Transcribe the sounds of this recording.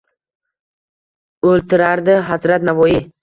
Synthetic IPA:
ɵlt̪ʰɪɾaɾd̪ɪɦazɾat̪navɒjɪ

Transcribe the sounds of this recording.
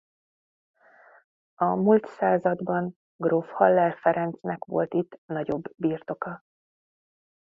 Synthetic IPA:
ɒmult̪saːzɒd̪bɒn | ɡrofhɒlːɛrfɛɾɛnt̪snɛkʋo̞̰lt̪it̪ːnɒɟo̞bːiːrt̪o̞kɒ

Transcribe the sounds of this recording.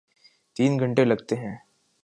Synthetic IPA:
t̪iːnɡʱɐ̃ɳʈelɐɡt̪eɦɛ̃ː

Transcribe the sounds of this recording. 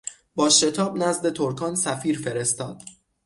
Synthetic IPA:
b̥ɒːʃe̞t̪ʰɒːbnæzd̪e̞t̪ʰoɾkʰɒːnsæfiːɾfe̞ɾest̪ɒ̰ːd̪̥

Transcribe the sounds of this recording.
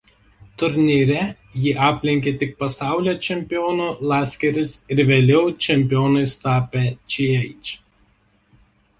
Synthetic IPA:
t̪ʊɾʲnʲiːɾʲɛ | jɪʔɑːpʲlʲɪŋʲkʲeːt̪ʲɪk̚pɐsɑˑʊlʲoːt͡ʃʲɛmʲpʲɪjoːnuːlˠɑːsʲkʲɛɾʲɪsɪɾʋʲeːlʲɛʊt͡ʃʲɛmʲpʲɪjoːnɐɪst̪ɑːpʲet͡ʃʲiɛɪt͡ʃʲ

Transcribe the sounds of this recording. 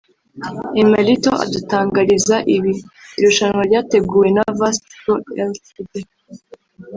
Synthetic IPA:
emaɾitoʔa̰dutaːŋɡaɾizaʔiβiːɾuʃaɲŋwaɾɟaːte̞ɡuːje̞navasoeltibe

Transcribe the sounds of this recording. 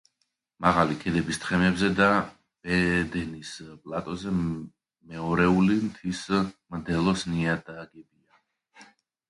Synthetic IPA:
maʁalikʰɛd̪ɛbist̪χɛmɛbzɛd̪a | b̥ɛd̪ɛnispʼlˠat̪ʼɔzɛ | mɛɔɾɛulimt̪ʰismd̪ɛlˠɔsniad̪aɡɛbia

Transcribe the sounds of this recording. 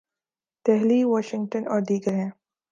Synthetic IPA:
t̪ɛɦliʋaːʃɪ̃ŋɡ̚ʈənɔːɾd̪iːɡəɾɦɛ̃ː

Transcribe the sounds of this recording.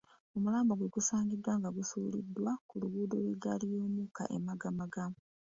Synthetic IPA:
omulaːmboɡweɡusaːŋɡidwaːŋɡaɡusuːlḭdːwakuluɡuːdolwiɡalijoːmuka̰ʔḛmaɡamaɡam

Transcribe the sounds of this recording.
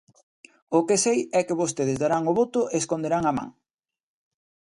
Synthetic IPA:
ʊkesejɛkeβost̪eð̞ɪzðaɾaŋʊβot̪ʊʔeskond̪eɾaŋamã̰ŋ

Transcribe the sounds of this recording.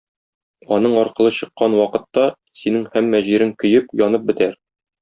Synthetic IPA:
ɒnɤɴɒɾqɤ̆lˠɤɕɤ̆qːɑnwɒqɤ̆t̪ːɑ | sinɘŋhæmːæʑiɾɘŋkɵ̆jɘpjɒnɤp̚bɘ̆t̪æɾ

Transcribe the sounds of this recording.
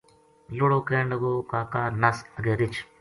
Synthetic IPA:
loɽoːkeːɳɖəɡoːkaːkaːɾnɐsɐɡeːɾɪt͡ʃʰ

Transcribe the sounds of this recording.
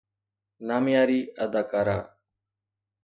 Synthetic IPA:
naːmjaːɾiːəd̪aːkaːɾaː

